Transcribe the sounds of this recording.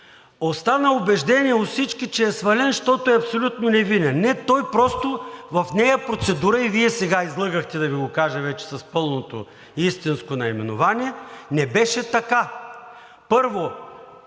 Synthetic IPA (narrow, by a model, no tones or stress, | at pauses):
ost̪anəʊbɛʒd̪ɛniɛot̪sit͡ʃkit͡ʃɛːsvɐlɛnʃt̪ɔt̪oɛɐpsolʲut̪nonɛvinɛnnɛt̪ɔjpɾɔst̪ovɐfnɛjɐpɾot̪sɛd̪uɾəiviɛsɛɡaizlˠɤɡəxt̪ɛd̪ɐviɡokaʒɐvɛt͡ʃɛ̥sɐspɤlˠnot̪o̰ | ist̪inskonɐimɛnʊvanʲiɛnɛbɛʃɛt̪ɐka | pɤɾvo